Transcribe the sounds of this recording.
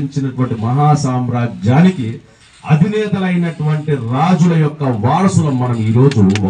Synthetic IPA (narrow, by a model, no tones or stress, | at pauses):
iɲt͡ʃinɐʈuʋɐɳʈimɐɦaːsaːmɾaːd͡ʒaːniki | ɐ̰d̪ʱinɛːt̪ɐlɐjnɐʈuʋɐɳʈiɾaːd͡ʒulɐjɔkːɐʋaːɾɐsulɐmɐnɐmiːɾo̞ːd͡ʒu